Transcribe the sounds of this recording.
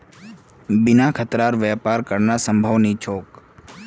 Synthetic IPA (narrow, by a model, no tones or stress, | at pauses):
bɪnakʰət̪ɾaɾʋjɛpaɾkəɾnasəmbʱəʋnit͡ʃʰoːk